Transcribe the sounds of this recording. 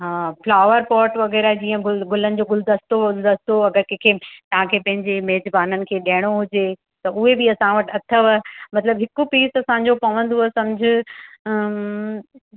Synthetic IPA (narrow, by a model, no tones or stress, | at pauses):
ɦaːflaːʋəɾpɔːɾʈʋɐɣɛːɾaɦɛd͡ʑiːə̃ɡʊɡʊlənɪ̆d͡ʑoɡʊld̪əst̪oʊld̪ɐst̪oɐɡəɾkẽkʰeːt̪ɐʋ̤ãkʰeːpɐ̃ɦɪ̃ɲd͡ʑemeɦːd͡ʑbaːnənɪ̆kʰeːɗɐːɪɽ̃oɦʊd͡ʑeː | t̪ɐʊɦebɪɐsãʋɐʈɐt̪ʰəʋəmɐt̪ləbɦɪkupiːsɐsãːɲd͡ʑopɐʋə̃nd̪osɐmd͡ʑʱɪ